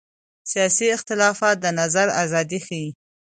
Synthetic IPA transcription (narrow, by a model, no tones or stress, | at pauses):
sijɑsiɪxt̪ɪlɑfɑt̪̚d̪ənazaɾa̰zɑd̪ixaji